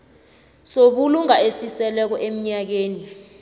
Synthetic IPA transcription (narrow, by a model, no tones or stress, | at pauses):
soɓuluŋaesisɛlɛk̬ɔʔem̩ɲak̬eːni